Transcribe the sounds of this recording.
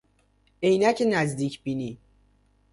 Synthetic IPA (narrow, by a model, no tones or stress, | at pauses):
ejnæcʰenæzd̪iːcʰbiːni